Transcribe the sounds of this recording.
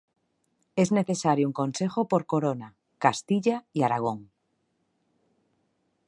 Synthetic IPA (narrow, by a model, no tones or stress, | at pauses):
e̞zne̞θe̞saɾjouŋkonse̞xopo̞ɾko̞ɾona | kast̪iʎaiaɾaɣ̞o̞ŋ